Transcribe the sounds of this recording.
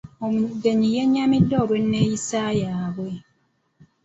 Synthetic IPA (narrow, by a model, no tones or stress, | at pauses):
omdeɲijeɲːamidːoɾwenːejisaːjaːβwe